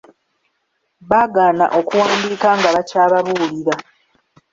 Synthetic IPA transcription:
βaːɡaːna̰ʔo̞kuwaːmbiːkaŋɡaβacaːβaβuliɾa

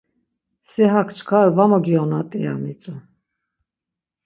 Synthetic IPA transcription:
sɛɦakʰt͡ʃʰkʰaɾvamɔɡiɔnat̪ʼɛja̰mit͡sʼu

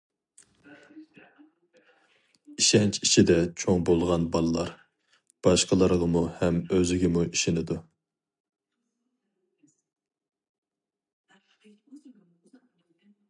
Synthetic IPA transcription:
iʃɛnt͡ʃʰiʃʰid̪ɛt͡ʃʰoŋbolˠʁɑnbɑlˠɨlˠɑɾ | b̥ɑʃqəlˠəɾʁəmuhɛmøzɪɡʲɪmuʔiʃɪnɪd̪u

